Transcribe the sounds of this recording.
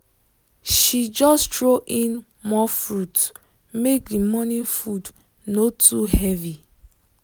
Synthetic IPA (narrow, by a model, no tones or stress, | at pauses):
ʃid͡ʒɔstɹoʔĩn | mɔfɹut | mek̚dimɔnifud | notuhɛvi